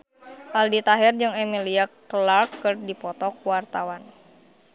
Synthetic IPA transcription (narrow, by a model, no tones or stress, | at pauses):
ʔaldit̪aɦɛrd͡ʒɨŋɛmiliaktəlarkɨrdipɔt̪ɔkuwart̪awan